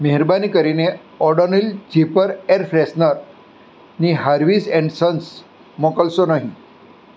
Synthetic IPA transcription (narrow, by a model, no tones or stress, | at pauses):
meɦiɾbanikəɾine | ɔɖənild͡ʑipəɾeɾfɾesnəɾ | niɦaɾʋiːseɳɖsəns | mokəlsonaɦi